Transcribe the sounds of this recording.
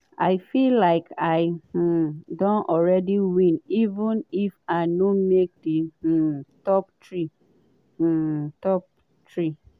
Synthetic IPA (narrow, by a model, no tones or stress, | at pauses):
aɪfilaɪkʰaɪ | dõnɔlɹɛdiwĩnivə̃nifaɪnomek̚də | tɔp̚tʰɹi | tɔp̚ | tʰɹi